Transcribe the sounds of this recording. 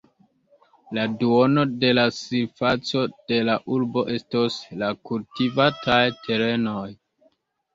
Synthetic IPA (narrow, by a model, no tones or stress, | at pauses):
laduo̞no̞de̞lasiɾfat͡so̞d̥e̞laʔuɾbo̞ʔe̞stoslakultivatʰajtʰe̞ɾe̞no̞j